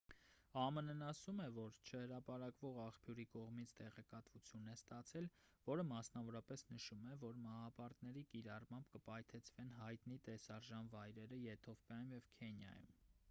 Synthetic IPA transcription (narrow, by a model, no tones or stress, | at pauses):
ɑmənənɑsumɛvɔɾt͡ʃʰəhəɾɑpɑɾɑkvɔʁɑχpʰjuɾikɔʁmit͡sʰt̪ɛʁɛkɑt̪vut͡sʰjunɛst̪ɑt͡sʰɛlvɔɾəmɑsnɑvɔɾɑpɛsnəʃumɛvɔɾmɑhɑpɑɾt̪nɛɾikiɾɑrmɑmbkəpɑjt̪ʰɛt͡sʰvɛnɦɑjt̪nit̪ɛsɑɾʒɑnvɑjɾɛɾəjɛt̪ʰɔfkɑjumjɛvkʰɛnjɑ̰jṵm